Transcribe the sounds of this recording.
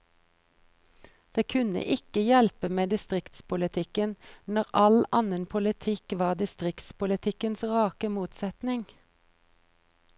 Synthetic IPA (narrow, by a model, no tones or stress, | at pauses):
d̪̥eːkʰʉnə̰ʔɪkəjɛlpəmeːd̪ɪst̪ʁɪkt̪spʊlɪt̪ʰɪkənnɔʁʔɑlɑnənpʰʊlɪt̪ʰɪkʋɑːd̪ɪst̪ʁɪkt̪spʊlɪt̪ʰɪkənsʁɑːkəmuːt̪sɛt̪nɪŋ